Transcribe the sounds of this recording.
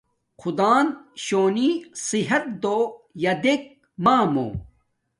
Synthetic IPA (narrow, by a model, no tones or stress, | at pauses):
qʰud̪aːnɕoːnisiɦɐt̪̚d̪oːjɐd̪ek̚ | maːmo̰ː